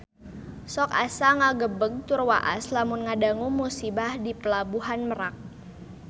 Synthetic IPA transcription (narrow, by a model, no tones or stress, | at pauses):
sɔkasaŋaɡəbəɡ̚t̪urwa̰ʔa̰slamʊnŋadaŋumusibahdipəlabuɦanməɾak̚